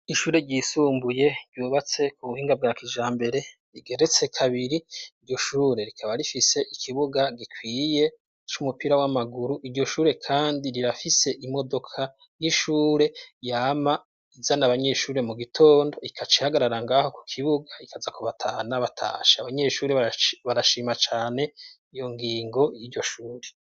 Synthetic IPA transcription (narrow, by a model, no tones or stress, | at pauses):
iʃuːɾe̞ɟisuːmbuje̞ɾɟuːβat͡se̞kuβuhiːŋɡab̚ɡaːkiʒaːmbe̞ɾe̞ | ɾiɡe̞ɾe̞t͡se̞kʰaβiɾiiɾɟo̞ʃuːɾe̞ɾikʰaβaɾifise̞ʔikʰiβuɡaɡikʰwiːje̞ | t͡ʃumupiɾawamaɡuɾuʔiɾɟo̞ʃuːɾe̞kʰaːndiɾiɾafise̞ʔimo̞do̞kʰa | jiʃuːɾe̞jaːma | izanaβaɲe̞ʃuːɾe̞muɡitʰo̞ːndo̞ikʰat͡ʃi̥haɡaɾaɾaŋɡaho̞ku̥kʰiβuɡaikazakuβatʰaːnaβatʰa̰ːʃeaβaɲe̞ːʃuːɾeββaɾaʃiːmat͡ʃaːne̞ | ijo̞ŋɡiːŋɡo̞jiːɾɟo̞ʃuːɾe